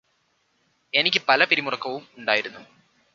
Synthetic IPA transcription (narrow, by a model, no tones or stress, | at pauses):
e̞nikʲːɨpɐlɐpiɾimurɐkːɐʋumuɳɖaːjiɾunːu